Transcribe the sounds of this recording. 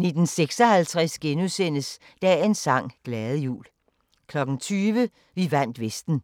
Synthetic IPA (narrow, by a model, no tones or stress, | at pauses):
ne̝d̥n̩seɡ̥sɒhælt͡sʰʁɛsɡ̥enusen̰əs | d̥ɛe̝nsɑ̈ŋ̰ɡ̥lɛːðˠəjṵːl | kʰlɒ̽ɡ̥n̩t͡sʰyːʋə | ʋiʋæn̰d̥ʋesd̥n̩